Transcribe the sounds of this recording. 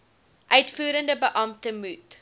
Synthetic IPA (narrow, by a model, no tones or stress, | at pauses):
ʔœɥtfuːɾəndəbəʔɐmtəmut